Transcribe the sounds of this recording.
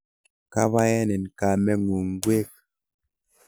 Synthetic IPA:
ka˦βa˦jɛ˦nɛ˨n˨ka˨mɛ˦ŋu˨ŋ˦ɡwe˦k̚

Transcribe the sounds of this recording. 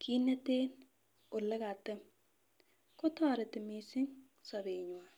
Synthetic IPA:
kʰi˦nːɛ˦teː˦n | ʊ˨lɛ˦ka˨tɛ˦m | kʊ˦tɔː˦ɾɪ˨tɪ˨mi˨sɪ˦ŋ | sɔ˨be˨ɲwa˨

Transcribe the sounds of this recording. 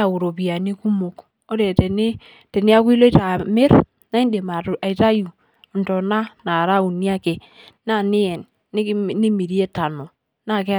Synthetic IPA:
a˨u˨ɾo˨pi˨a˨ni˦ku˦mo˨k | o˦ɾe˨tɛ˨nɪ˦ | tɛ˨nɪ˦a˦k̬i˦lo˦i˦ta˨mɪ˦ɾ | na˦i˦nde˨ma˨a˨i˨ta˦ju˨ | ntɔ˨na˦na˨ɾa˦u˨ni˦a˦ke˨ | na˦˨nɪ˦ɛ˨nː | ɪ˦nɪ˦mi˨ɾi˦e˦ta˨no˨ | na˦˨ke˦

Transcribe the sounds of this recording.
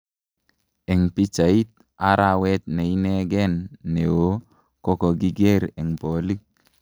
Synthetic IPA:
e˨ŋpi˦t͡ʃa˨i˦t̪̚ | a˦ɾa˨we˦t̪̚ne˨i˦ne˦ɡe˦nːe˨wo˦ | kɔ˦kɔ˨ɡi˦ɡe˦ɾe˨ŋpo˨li˦k̚

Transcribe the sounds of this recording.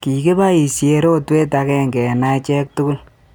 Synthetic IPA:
ki˨ke˦ba˦i˨sje˨ɾo˦twe˦ta˧kɛ˦ŋɡɛ˨na˦it͡ʃɛ˦k̚tʊ˦kʊ˦l

